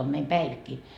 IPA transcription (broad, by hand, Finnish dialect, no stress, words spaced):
om meim pæiʋikːi